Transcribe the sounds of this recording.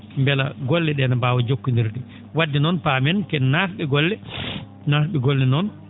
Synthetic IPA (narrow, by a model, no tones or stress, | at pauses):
mbɛlaɡɔlːɛɗɛnabaːwɔd͡ʒokːindiɾɗɛ | wadːinɔnpamɛnkɛnaɾɓɛɡɔlːɛ | naɾɓɛɡɔlːɛnɔn